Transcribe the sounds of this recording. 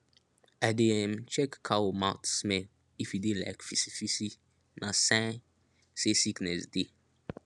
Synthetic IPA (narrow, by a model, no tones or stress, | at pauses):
ademt͡ʃɛkːʰawomãʊtsmɛl | ifjudela̰ɪkfisifisi | nasã | sesiknɛsde